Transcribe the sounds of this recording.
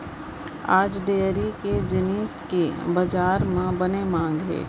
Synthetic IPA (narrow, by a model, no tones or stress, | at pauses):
aːd͡ʒɖeːəɾiked͡ʒɪniːskebɐd͡ʒaːɾmãbɐnemãːŋɡɦɛ̰ː